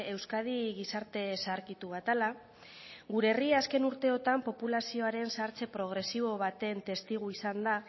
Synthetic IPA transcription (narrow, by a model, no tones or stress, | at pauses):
e̞wskað̞iɣisaɾt̪e̞saɾkit̪uβ̞at̪ala | ɣuɾeriaske̞nuɾt̪e̞o̞t̪ampo̞pulasio̞aɾe̞nsaɾt͡se̞pɾo̞ɣ̞ɾe̞siβ̞o̞β̞at̪e̞nt̪e̞st̪iɣ̞uisand̪a